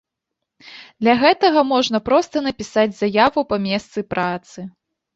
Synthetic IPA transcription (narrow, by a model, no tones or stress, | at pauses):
d̪lʲɐɣɛt̪ɐɣɐmɔʐnɐpɾɔst̪ɐnɐpʲisad͡zʲzajavupɐmʲɛst̪sɨpɾʔat̪sɨ